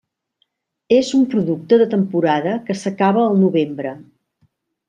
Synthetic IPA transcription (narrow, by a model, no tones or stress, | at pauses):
ezumpɾuðuk̚t̪əðət̪əmpuɾaðəkəsəkaβəːlˠnuβembɾə